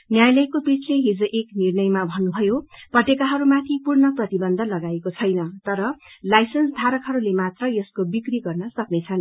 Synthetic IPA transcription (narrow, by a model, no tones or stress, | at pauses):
njajlʌjkopit͡sʰleɦid͡zoʔeknirnʌjmabʱʌnːubʱʌjopʌʈekaɦʌɾumat̪ʰipurnʌprʌt̪ibʌnd̪ʱʌlʌɡaekot͡sʰʌjnʌt̪ʌɾʌlajsʌnsd̪ʱaɾʌkɦʌɾulemat̪rʌjʌskobikriɡʌrnʌsʌknet͡sʰʌn